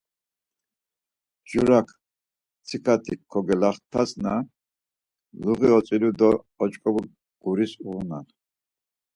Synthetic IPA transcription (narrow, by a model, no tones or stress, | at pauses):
d͡ʒuɾakʰ | t͡sʰikʰat̪ʰikʰːɔɡɛlaχt̪ʰasna | luʁiɔt͡sʼilud̪ɔː | t͡ʃʼkʼɔbu | ɡ̥uɾisuna̰χ